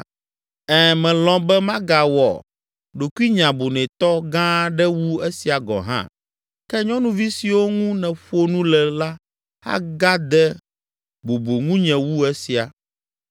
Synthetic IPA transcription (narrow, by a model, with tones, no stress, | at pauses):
ɛ˦˨mɛ̃˨lɔ̃˨bɛ˦mã˦ɡa˨wɔ̰˨ | ɖo˨ku˦i˦ɲã˨bo˨nɛ̃˨t̪ɔ˦ɡã˦ɖɛ˦wu˦e˦si˨a˨ɡɔ̰̃˨ɦã̰˦ | kɛ˦ɲɔ̃˦nũ˦vi˦si˨wo˦ŋũ˦nɛ̃˨ɸo˦nũ˦lɛ˨la˦ | ha̰˦ɡa˦d̪ɛ˦ | bo˨bo˨ŋũ˦ɲɛ̃˨wu˦ɛ˦si˨a˨